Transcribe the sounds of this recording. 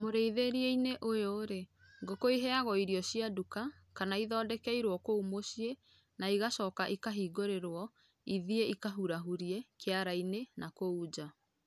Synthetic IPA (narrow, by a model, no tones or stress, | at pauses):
moɾeiðeɾieineʔojoɾe | ŋɡokoiɦɛaɣɔiɾiɔɕiaduka | kanaiðɔːdɛkɛiɾwɔkoumoɕie | naiɣaʃɔːkaʔikaɦiːɡoɾeɾwɔ | iðieikaɦuɾaɦuɾiekeaɾainenakouːd͡ʑa